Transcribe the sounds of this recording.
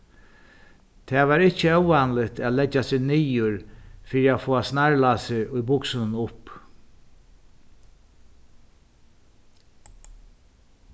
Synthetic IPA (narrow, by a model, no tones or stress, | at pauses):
t̪ʰɛːʋaːɾɪht͡ʃəœwanlɪt̪æːt̪lɛt͡ʃːasɪːɣnijʊɹfiːɾiaːfoːasnaɹlaːsɪʔʊjbʊksɪnnʊp